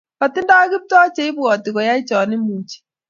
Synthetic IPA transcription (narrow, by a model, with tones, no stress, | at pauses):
ka˨tɪ˦nda˦ki˦p̚tɔ˦t͡ʃe˦i˦bwɔ˨tɪ˨kɔ˨ja˦i˦t͡ʃɔ˨nɪ˦mu˨t͡ʃi̥˦